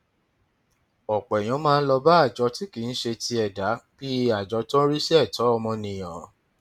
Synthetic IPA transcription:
ɔ˨k͡pɛ˨j̃ã˨˧˦mãː˦˧n̩˦lɔ˧ba˦a˦˨d͡ʒɔ˨˧ti˨˦ki˨˦n̩˦ʃe˧ti˧ɛ˨da˨˦bi˦˧˦a˨d͡ʒɔ˧˦tɔ̃˦ɾi˦sɛ˦ɛ˦˨tɔ˨˦ɔ˧mɔ̃˧nĩ˨j̃ã˨˦

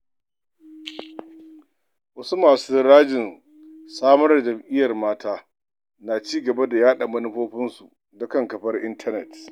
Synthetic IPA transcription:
wɐ˦su˦maː˨suː˦ɾaː˦d͡ʒɪ˨n | saː˦mɐ˦rdd͡ʒɐ˨mʔɪ˦jɐ˨rmaː˦taː˦ | naː˨t͡ʃiː˦ɡɐ˨ba˦da˨jaː˦ɗa˨mɐ˦nʊ˦ɸoː˦ɸɪ˦nsu˨ | dʊ˦kɐ˦˨ŋkɐ˨ɸɐ˦rʔɪ˦ntʰɐ˦nɛ˨t

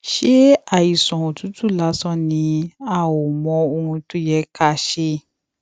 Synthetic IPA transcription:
ʃe˦a˨i˨sɔ̃˨õ˨tu˨˦tu˦˨la˨˦sɔ̃˦nĩ˧a˧˨wo˨mɔ̃˧˦o˧hũ˧tu˦jɛ˦ka˦ʃe˧

